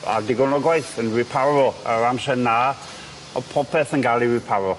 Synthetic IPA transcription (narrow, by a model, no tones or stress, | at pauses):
a̰dɪɡɔnɔɡwajθənwɪpʰaɾɔəɾamʃɛnːa | ɔpʰɔpʰɛθənɡalˠiwɪpʰawɾɔ